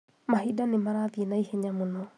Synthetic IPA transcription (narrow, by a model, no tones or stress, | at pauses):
maɦidanemaɾaðienaiheɲamonɔ